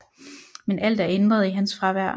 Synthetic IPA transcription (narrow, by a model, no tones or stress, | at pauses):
menʔæl̰d̥æɐend̥ʁɐð̞̩ˠiɦænsfʁɑ̈ʋæɐ̰